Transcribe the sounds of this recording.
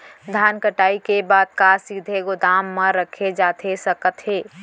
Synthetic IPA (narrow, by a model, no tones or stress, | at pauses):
d̪ʱaːnkəʈaːikebaːd̪̚kasid̪ʱeɡʊd̪aːmːə̃ɾəkʰed͡ʒaːt̪ʰesəkət̪ɦeː